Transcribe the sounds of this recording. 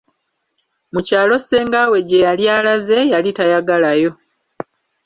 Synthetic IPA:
mucaːlo̞se̞ːŋɡawe̞ɟe̞jaljaːlaze̞jalitajaɡalajo̞

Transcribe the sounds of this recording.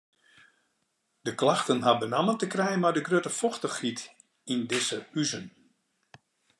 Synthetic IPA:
d̥əklaxtənɦabənaməntəkrɛjənmadəɡrøtəfɔxtəxrit | indɪsəyzən

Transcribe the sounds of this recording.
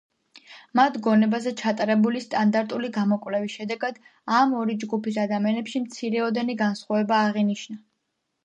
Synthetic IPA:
mat̪ʰɡɔnɛbazɛt͡ʃʰat̪ʼaɾɛbulist̪ʼand̪aɾt̪ʼuliɡamɔkʼvlɛvisʃɛd̪ɛɡad̪ | amɔɾid͡ʒɡupisad̪amianɛpʃimt̪sʰiɾɛɔd̪ɛniɡansχwavɛbaːʁiniʃna

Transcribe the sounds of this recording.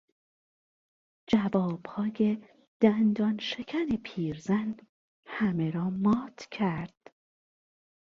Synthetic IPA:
d͡ʒævɒːb̥hɒːje̞ | d̪̥ænd̪ɒːnʃekʰænepʰiːɾzæn | hæme̞ɾɒːmɒːt̪ʰcʰæɾd̪̥

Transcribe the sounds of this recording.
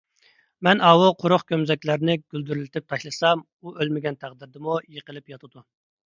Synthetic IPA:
mɛnɑːwoqʰʊɾʊχkʲʰømzɛkʲlæɾnɪɡ̥ʲyld̪yɾylɪt̪ʰɪp̚t̪ʰɑʃlˠɨsɑm | uʔølmɪɡʲɛnt̪ʰæʁd̪ɪɾd̪ɪmujəqəlˠɪpjɑt̪ʰɨd̪u

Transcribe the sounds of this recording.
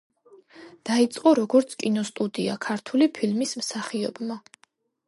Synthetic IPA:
d̪̥ait̪sʼqʼɔɾɔɡɔɾt̪sʰkʼinɔst̪ʼud̪iakʰaɾt̪ʰulipʰilmismsaχiɔbma

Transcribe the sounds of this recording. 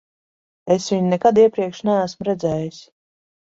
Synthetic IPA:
esvʲiɲinɛkad̪iɛpɾiɛkʃnææsmɾɛd̪zɛːjisʲ

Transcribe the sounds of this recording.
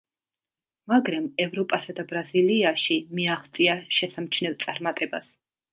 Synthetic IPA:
maɡɾamɛvɾɔpʼasad̪abɾaziliaʃimiaχt̪sʼiaʃɛsamt͡ʃʰnɛlˠt̪sʼaɾmat̪ʼɛba̰s

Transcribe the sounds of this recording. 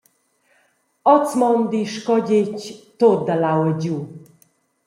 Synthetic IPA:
ɔt͡smɔnd̪iʃkɔɟect̪od̪alawəd͡ʑu

